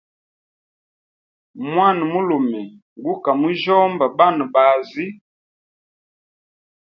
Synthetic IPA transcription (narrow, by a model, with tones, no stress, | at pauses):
mwa˦˨n˨mu˦lo˨mɛ˨ | ŋɡu˦ka˨mu˦ʒɔ˦mba˨ba˦˨nə˨ba˨zi˦